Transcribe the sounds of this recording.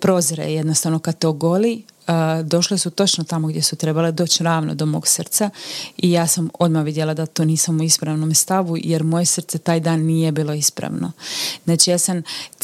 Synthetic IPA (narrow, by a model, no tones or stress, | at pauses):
pɾo̞ːzɾḛje̞d̪nost̪aʋnokad̪̚t̪eoɡo̞li | d̪o̞ʃlisut̪o̞t͡ʃnot̪amo̞ɡd̪je̞sut̪ɾe̞baled̪o̞ːt͡ɕɾaːʋno̰d̪o̞mo̞ːɡsr̩t̪saijaːsamo̞d̪maʋid̪jelˠad̪at̪oniːsamuispɾaʋno̞mst̪aʋujeɾmo̞jesr̩t̪set̪aːjd̪aːnːije̞biːlˠo̞ispɾa̰ʋno̰znaːt͡ʃijasam